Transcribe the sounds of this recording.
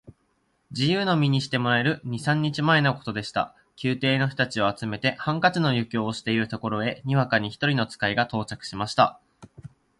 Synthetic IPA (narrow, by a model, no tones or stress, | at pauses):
d͡ʑijɯ̟ːno̞mʲiɲ̟iɕi̥t̪e̞mo̞ɾae̞ɾɯ̟ɲ̟isãɲ̟ːit͡ɕimae̞noko̞̥t̪o̞d̪e̞ɕi̥t̪a̰ | kʲʰɨːt̪e̞ːno̞ɸɯ̥t̪at͡ɕio̞at͡sɨme̞t̪e̞hãŋkat͡sino̞jɯ̟kʲo̞ːɕi̥t̪e̞iɾɯ̟t̪o̞ko̞ɾo̞e̞ɲ̟iβakaɲ̟içi̥t̪o̞ɾʲino̞t͡sɨ̥kaiɡat̪o̞ːt͡ɕakɯ̟̥ɕimaɕi̥t̪a̰